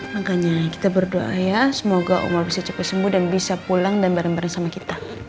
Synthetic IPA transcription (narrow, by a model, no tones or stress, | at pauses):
maɡaɲaki̥t̪abərdoajasəmoɡaʔṵmarbisat͡ʃḁpasəmbudanbisapulaŋdanbaɾaŋbaɾaŋsamakit̪a